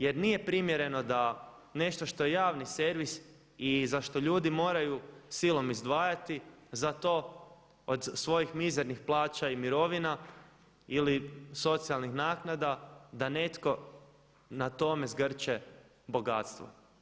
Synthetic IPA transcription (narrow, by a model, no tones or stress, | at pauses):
je̞ɾnije̞pɾimje̞ɾe̞no̞d̪a | ne̞ʃt̪o̞ʃt̪o̞jejaːʋnise̞ɾʋis | izaʃt̪o̞ʎuːd̪imo̞ːɾajusilˠo̞mizd̪ʋaːjat̪izat̪o̞ | od̪sʋo̞jixmizeɾnixplˠaːt͡ʃaimiɾo̞ʋina | iliso̞t̪sialˠnixnaːknad̪ad̪ane̞t̪ko̞ | nat̪o̞me̞zɡr̩t͡ʃe | bo̞ɡat̪st̪ʋo̰